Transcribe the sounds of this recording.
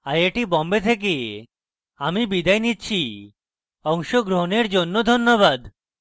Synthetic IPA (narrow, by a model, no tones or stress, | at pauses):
ajeʈibɔmbet̪ʰek̬e | amibid̪ajnitːɕʰi | ɔŋʃoɡɾoɦoneɾd͡ʑonːod̪ʱonːoβad̪